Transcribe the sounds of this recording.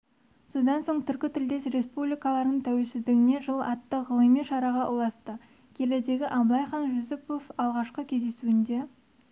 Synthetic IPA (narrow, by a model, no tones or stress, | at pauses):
so̞d̪ɑnso̞ɴt̪ʰʏɾkʲɪt̪ʰɪld̪esɾe̞spublijkɑlˠɑɾnəɴt̪ʰæwe̞lsɪzd̪ɪɡʲɪne̞ʒəlˠɑt̪ːəʁəlˠəmijʃɑɾɑʁɑʔʊlˠɑst̪ə | kʲʰe̞led̪e̞ɡʲɪʔɑmlˠɑjχɑnʒʊzɪpo̞fɑlˠʁɑʃqəkʲʰe̞zd̪e̞suɪnd̪e̞